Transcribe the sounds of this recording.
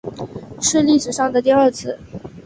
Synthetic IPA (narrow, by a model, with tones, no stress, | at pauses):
ʂɻ̩˥˧li˥˩ʂɻ̩˨˩ʂɑ˥˩ŋd̪ə˩t̪i˥˧ə˞˥˧t͡sʰɹ̩˥˩